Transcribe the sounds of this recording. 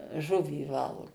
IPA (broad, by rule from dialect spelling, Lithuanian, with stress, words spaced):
ˈʒʊʋʲiː ˈʋɐlˠɡʊ